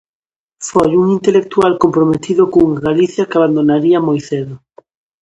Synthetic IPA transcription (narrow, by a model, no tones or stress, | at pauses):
fojuŋint̪elek̚t̪ualkompɾomet̪iðʊkoŋaɣaliθjɐkaβand̪onaɾiɐamojθeðʊ